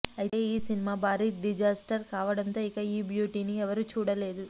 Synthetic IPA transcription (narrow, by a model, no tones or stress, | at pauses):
ɐjit̪e̞ːiːsinimaːbaːɾiɖid͡ʒaːsʈɐɾkaːʋɐɽɐnt̪o̞ːikɐiːbjuːʈiːniɛʋɐɾut͡ʃuːɽɐle̞ːd̪u